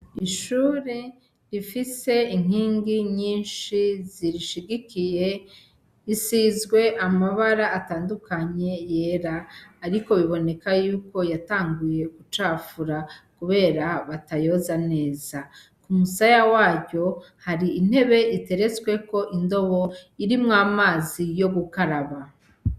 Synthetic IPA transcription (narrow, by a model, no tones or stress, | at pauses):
iʃuːɾe | ɾifise̞iŋ̥hiːŋɡiɲiːnʃiziɾiʃiɡikije̞ | isizɡwe̞ʔamaβaɾaʔːtaːndukaɲe̞je̞ɾaːɾiko̞βiβo̞ne̞kajuːko̞jataːŋɡuje̞ɡut͡ʃaːfuɾakuβe̞ːɾaβatajo̞zane̞ːza | kumusajawaːɟo̞ | haɾiin̥he̞βe̞ite̞ɾe̞t͡swe̞ko̞ʔindo̞βo̞iɾimŋaːmaːzijo̞ɡukaɾaβa